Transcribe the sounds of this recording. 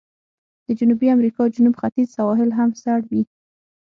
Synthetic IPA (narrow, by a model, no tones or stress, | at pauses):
d̪̥əd͡ʒʊnubiamɾikɑd͡ʒʊnubxat̪izsawɑɦɪlɦamsaɽwi